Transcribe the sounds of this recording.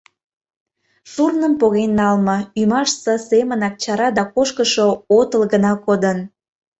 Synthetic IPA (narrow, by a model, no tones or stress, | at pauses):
surnəmpoɣenːɑlmɤymɑʃsə̆semənɑk̚t͡ɕɑɾɑd̪ɑkoʃkəʃoot̪əlɣənɑkod̪ən